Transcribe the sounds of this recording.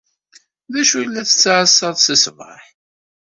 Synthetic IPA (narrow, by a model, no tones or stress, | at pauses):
ðæʃujlːæθə̥t͡sːaʕəsːɑðˤsəsvə̰ħ